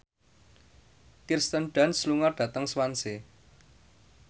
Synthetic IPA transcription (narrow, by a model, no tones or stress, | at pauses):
kirst̪ənɖ̥a̤nsluŋarɖ̥ä̤t̪əŋswanse